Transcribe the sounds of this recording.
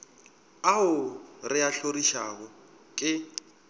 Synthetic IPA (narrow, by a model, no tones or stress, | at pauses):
aɦʊrɪaɬoriʃaɣɔ | kʼɪ